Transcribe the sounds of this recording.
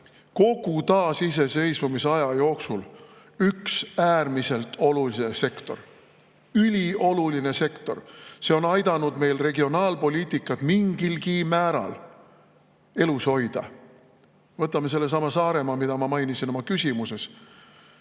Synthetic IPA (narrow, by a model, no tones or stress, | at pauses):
ko̞ɡ̥ut̪ɑːsis̬e̞se̞jsmumiseɑjɑjo̞ːksul | yksæːrmise̞lt̪ːo̞lulinese̞kt̪o̞̰r | ylʲio̞luline̞se̞kt̪o̞̰rse̞o̞nɑjd̪̥ɑnud̪̥me̞jlre̞ɡio̞nɑːlpo̞lʲiːt̪ikːˑɑt̪miŋɡ̥ilkimæːɾɑ̰l | e̞luso̞jd̪̥ɑ̰ | vɤt̪ːˑɑmese̞lːe̞sɑmɑsɑːɾe̞mɑmid̪ɑmɑmɑjnisinomɑkysʲimuse̞s